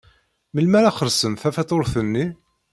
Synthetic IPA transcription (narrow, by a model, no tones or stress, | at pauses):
məlmæɾæχəɾsəmθæfæt̪oɾˤθənːi